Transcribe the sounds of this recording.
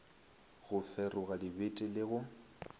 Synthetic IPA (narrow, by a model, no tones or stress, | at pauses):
ɣʊfɛrʊɣadɪbetʼɪlɪɣʊ